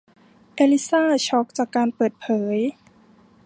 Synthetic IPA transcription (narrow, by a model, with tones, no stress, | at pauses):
ʔeː˧li˦˥saː˥˩t͡ɕʰɔ˦˥k̚t͡ɕaː˨˩kːaː˧npɤː˨˩t̪̚pʰɤː˩˦j